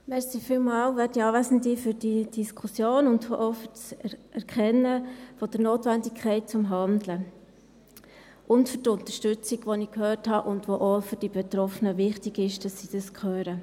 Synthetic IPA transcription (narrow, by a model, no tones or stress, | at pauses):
mɛɾsifiːlmɑːlʋɛdiɑːʋæsəndifyɾd̥id̥iskʰusjoːnʊndfoʔofʏɾsʔɛɾkχɛnːəfɔd̥əɾnoːtʋændikʰχɛɪt̚t͡sʊmɦɑndlə | ʔʊntfʏɾtʊnt̪əʃtʏt͡siɡʋonikhøːrthɑʔʊndʋoʔofyɾd̥ib̥et̪ɾɔfənəʋɪχtiɡɪʃd̥ɑsːid̥ɑskʰχøːɾə